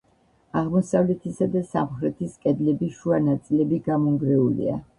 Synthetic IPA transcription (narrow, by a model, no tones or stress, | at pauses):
aʁmɔsavlɛt̪ʰisad̪asamχɾɛt̪ʰiskʼɛd̪lɛbiʃuanat̪sʼilɛbiɡamɔŋɡɾɛulḭa̰